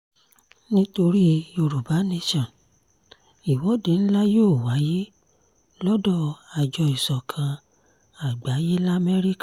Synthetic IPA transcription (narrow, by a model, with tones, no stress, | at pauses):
nĩ˦to˧ɾi˦o˧ɾu˨ba˨˦ne˦ʃɔ̃˨ | i˨wɔ˨˦de˨˦n̩˦la˦joː˦˨wa˨˦je˦ | lɔ˦dɔ˦˨a˨d͡ʒɔ˧i˨sɔ˨kʰã˧ | a˨ɡ͡ba˨˦je˦la˦˨mɛ˦ɾi˦kḁ˦˨